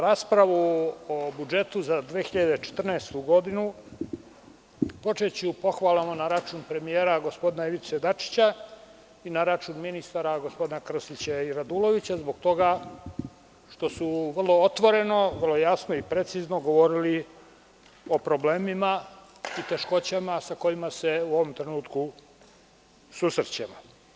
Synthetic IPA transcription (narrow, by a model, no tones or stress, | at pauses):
ɾaːspɾaʋuobud͡ʒe̞t̪uzad̪ʋeːxiʎad̪e̞t͡ʃe̥t̪r̩naest̪uɡo̞d̪inu | po̞t͡ʃe̞t͡ɕiupo̞xʋaːlˠamonaɾat͡ʃunpɾe̞mijeːɾaɡo̞spo̞d̪inaiʋit̪sed̪at͡ʃi̥t͡ɕa | inaɾat͡ʃuːnminist̪aɾaɡospod̪inakr̩sit͡ɕaiɾad̪ulo̞ʋit͡ɕazboɡt̪o̞ɡa | ʃt̪o̞suʋr̩lˠo̞ot̪ʋo̞ɾe̞no̞ʋər̩lo̞jasnoipɾe̞t̪sizno̞ɡo̞ʋo̞ɾili | o̞pɾo̞ble̞ːmima | it̪e̞ʃko̞t͡ɕamasako̞imase̞uo̞ʋo̞mt̪ɾe̞nuːt̪ku | susr̩t͡ɕemo